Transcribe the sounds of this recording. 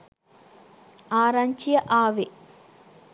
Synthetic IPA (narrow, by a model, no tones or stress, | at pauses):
aːɾaɲt͡ʃijɐʔaːʋe